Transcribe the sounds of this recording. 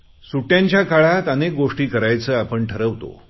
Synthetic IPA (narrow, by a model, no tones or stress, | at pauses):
suʈjãɲt͡ɕjakaɭat̪anek̚ɡoʂʈiːkəɾajt͡səːapəɳʈʰəɾəʋt̪o̰